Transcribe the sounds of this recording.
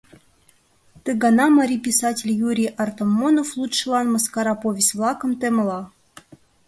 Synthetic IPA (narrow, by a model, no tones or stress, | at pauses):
t̪ɘɡɑnɑmɑɾʲipʲisɑtʲɪlʲjuɾʲijʔɑrt̪omːonoflˠut̪ʃɨlˠɑnmɤskɑɾɑpovʲɪsʲt̪ʲvlˠɑkɤ̆mt̪emlˠɑ